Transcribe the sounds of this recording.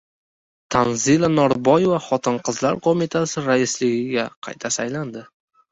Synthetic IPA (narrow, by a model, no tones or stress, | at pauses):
t̪ʰanzilˠanɒɾbɒjevaχɒt̪ʰɪnqʰɨzlaɾqʰomit̪ʰasɪɾaɪslɪɡʲɪɡʲaqʰɑ̰jt̪ʰasajland̪ɪ